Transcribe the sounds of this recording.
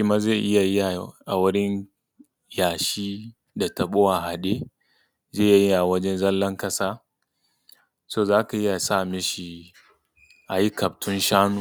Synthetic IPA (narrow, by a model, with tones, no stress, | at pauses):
ɪ˦ma˦ze˦˨ʔɪ˦ja˨ji˦ja˨ʔa˨wʊ˦ɾɪ˦n | jaː˨ʃiː˦ | da˨tɐ˨ɓo˦wa˨ɦa˨ɗe˦ | ze˦˨ja˨ji˦ʔa˨wɐ˦d͡ʒɛ˦nzɐ˦lːɐ˦ŋkɐ˦saː˦ | soː˦˨zaː˦ka˨ʔɪ˦ja˨saː˦˨mɪ˦ʃi˨ | ʔa˨ji˦kɐ˨b̚tʰʊ˦nʃaː˦nu˦